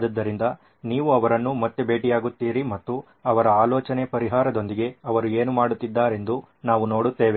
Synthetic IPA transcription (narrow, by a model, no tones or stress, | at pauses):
d̪ɐd̪ːɐɾind̪ɐ | niːʋuɐʋɐɾɐnːumɐt̪ːebe̞ːʈijaːɡut̪ːiːɾimɐt̪ːu | ɐʋɐɾɐaːloːt͡ʃɐne̞pɐɾiɦaːɾɐd̪o̞nd̪iɡe̞ɐʋɐɾue̞ːnumaːɽut̪ːid̪ːaːɾe̞nd̪u | naːʋuno̞ːɽut̪ːe̞ːʋe